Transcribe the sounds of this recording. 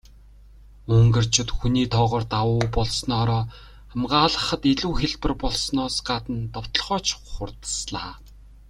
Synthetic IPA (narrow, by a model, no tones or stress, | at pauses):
ɵŋɡɘ̆r̥t͡ɕʰʊ̆t̪xuniːt̪ʰɔːʁɔːrt̪awʊːpɔɮsnɔːɾɔː | æmɢaːɮə̆χə̆t̪iɮuːxeɮpɘ̆rpɔɮsnɔːsɢat̪ə̆nt̪ɔw̥t̪ɞ̆ɮχɔːt͡ɕʰχʊrt̪ə̥̆sɮaː